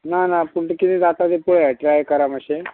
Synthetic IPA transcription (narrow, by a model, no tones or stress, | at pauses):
nanapulʈəkinid̪at̪ad̪epuɭɛʈɾajkəɾaməɕe